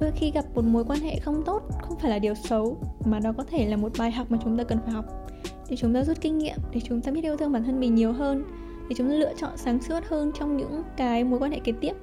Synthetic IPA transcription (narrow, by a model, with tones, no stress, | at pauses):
ɗo˧˩jxi˧ɣa˨˩p̚mo˨˩t̬̚mo˨˦jkwaː˧nɦḛ˧˨xə˧wŋ͡mt̪o˦˥t̚xə˧wŋ͡mfaː˧˩jlaː˨˩ɗi˨˩əwsə˨˦wmaː˨˩ɗɔ˨˦kɔ˨˦t̪ʰe˧˩laː˨˩mo˨˩t̚ɓaː˨˩jɦa˨˩k͡p̚maː˨˩t͡ɕʊ˨˦ŋ͡mt̪aː˧kə˨˩nfaː˧˩jhɔ˨˩wk͡p̚ | ɗe˧˩t͡ɕʊ˨˦ŋ͡mt̪aː˧zu˦˥t̚kï˧ŋ̟ŋḭ˧˨əmɗe˧˩t͡ɕʊ˨˦ŋ͡mt̪aː˧ɓi˦˥t̚ʔi˧wt̪ʰɨ˧ɓaː˧˩nt̪ʰə˧nmï˨˩ŋɲi˨˩əwɦəː˧n | t̪ʰi˨˩t͡ɕʊ˨˦ŋ͡mt̪aː˧lɨ̰˧ət͡ɕɔ̰˧˨nsaː˨˦ŋsɨ˦˥t̚həː˧nt͡ɕɔ˧wŋ͡mɲɨ̰˧˥ŋkaː˨˦jmo˨˦jkwaː˧nhḛ˧˨ke˨˩t̪i˦˥əp̚